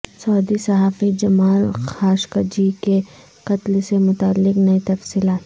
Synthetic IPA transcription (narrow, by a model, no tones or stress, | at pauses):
sɔːd̪isɐɦaːfid͡ʒɐmaːlxaːʃkad͡ʒike | qɐt̪lsemʊt̪aːlːɪqnɐit̪ɐfsiːlaːt̪